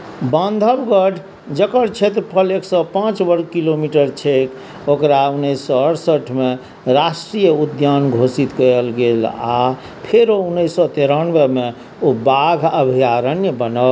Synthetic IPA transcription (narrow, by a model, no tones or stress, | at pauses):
bə̃nd̪ʱəbɡəɖʰʱ | d͡ʒəkəɾt͡ʃʰet̪ɾəpʰəleksɔpãt͡ʃbəɾɡkilomiʈəɾt͡ʃʰek | okɾaunːəisːɔəɾsəʈʰme | ɾasʈɾijəud̪janɡʱosit̪kəjlɡela̰ | pʰeɾounːəjsːɔt̪eɾanʋeme | obaɡʱəbʱijaɾənjəbənə